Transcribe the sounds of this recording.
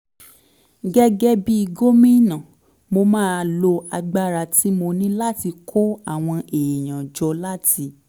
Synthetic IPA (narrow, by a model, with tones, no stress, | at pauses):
ɡɛ˦ɡɛ˦bi˦i˧ɡo˦mĩ˦˨nã˨ | mo˧mãː˦˧lo˧a˧ɡ͡ba˦ɾa˧ti˨˦mo˧nĩ˦la˦ti˧kʰo˦a˦˨w̃ɔ̃˧e˨j̃ã˨d͡ʒɔ˧la˦ti˧